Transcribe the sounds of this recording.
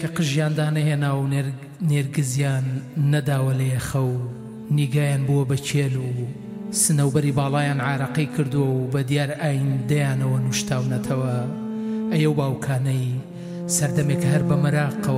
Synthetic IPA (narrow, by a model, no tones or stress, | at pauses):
kʰɐqɨʒjaːnd̪aːnɐheːnaːwneː | eɾɡɨzjaːnːɐd̪aːwɐlɐjɐxɐw | niːɡaːjaːnbuwɐbɐt͡ʃʰeːlu | sɨnɐwbɐɾiːbaːlˠaːjaːnʕaːɾɐqijkʰɨɾd̪uwɐwbɐd̪jaːɾaːjind̪ɐjaːnɐwɐnuʃt̪ʰaːwnɐt̪ʰɐwɐ | ʔɐjɐwbaːwkʰaːnɐj | sɐɾd̪ɐmekɐhɐɾbɐmɐɾaːqːɐwɐ